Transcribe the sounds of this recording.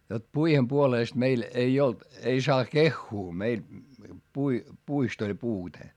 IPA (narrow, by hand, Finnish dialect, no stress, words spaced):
jot puihem puoleˑst meil ei olt ei sɑː kexːuː meil pui puist olʲ puːte